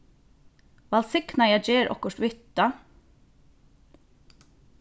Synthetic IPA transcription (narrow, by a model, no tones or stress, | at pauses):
ʋɛlsɪknɑjæd͡ʒeːɾʔɔ̰kəʃtʋʏt̪ɑ